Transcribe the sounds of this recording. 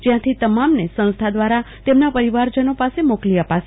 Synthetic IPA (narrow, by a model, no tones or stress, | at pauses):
d͡ʒjãt̪ʰit̪əmamnesə̃ñst̪ʰad̪ʋaɾa | t̪emnapəɾiʋaɾd͡ʒənopasemokliəpaʃe